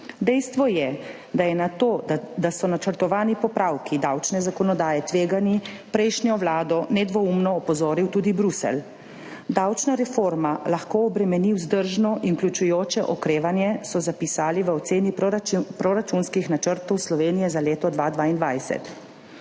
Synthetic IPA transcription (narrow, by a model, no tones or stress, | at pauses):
d̪ɛjst̪ʋɔjɛ | d̪ajɛnat̪oːd̪asɔnat͡ʃəɾt̪ɔʋaːnipɔpɾawkid̪awt͡ʃnɛzakɔnɔd̪aːjɛt̪ʋeːɡani | pɾɛjʃnjɔʋlaːd̪ɔnɛd̪ʋɔumnɔːpɔzoːɾiwt̪uːd̪ibɾusɛ̰l | d̪awt͡ʃnaɾɛfoːɾmalaxkoɔbɾɛmɛniwzd̪əɾʒnɔʔinklʲut͡ʃujoːt͡ʃɛʔɔkɾeːʋanjɛsɔzapisaːliʋəɔt̪seːnipɾɔɾat͡ʃunskixnat͡ʃəɾt̪ɔwslɔʋeːnijɛzaleːt̪ɔd̪ʋad̪ʋaːind̪ʋajsɛ̰t̪